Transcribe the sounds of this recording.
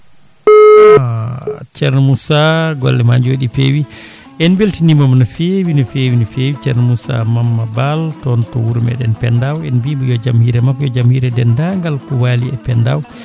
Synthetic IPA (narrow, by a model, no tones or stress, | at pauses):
t͡ʃɛɾnmusaɡɔ̰lːɛmaɲd͡ʒoɗifḛwi | ʔɛnbeltinimamnɔfewinɔfewinifewit͡ʃɛɾnmusa̰mamːabaltɔntɔwuɾmɛ̰ɗɛnpɛndawɛnbibujɔd͡ʒamhiɾɛmakɔjɔd͡ʒamhiːɾɛdɛndaŋɡalkɔwaliɛpɛndaw